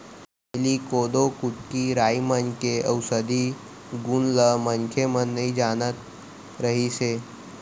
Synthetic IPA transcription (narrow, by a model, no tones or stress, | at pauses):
elikod̪okut̪̚kiɾaimənkeəwsəd̪ʱi | ɡunləmənkʰemənːəɦid͡ʒanət̪ | ɾəɦise